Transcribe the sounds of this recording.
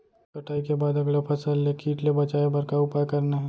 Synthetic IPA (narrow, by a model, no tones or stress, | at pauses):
kɐʈʰaːikebaːd̪ɐɡlapʰɐsəlːekʰiːʈlebɐt͡ʃaːebɐɾkaʊpakɐɾnaɦɛ̃